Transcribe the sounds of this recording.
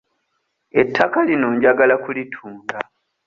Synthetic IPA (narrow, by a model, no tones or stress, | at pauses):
e̞tʰːakalino̞ːɲɟaɡalakulitʰuːŋɡa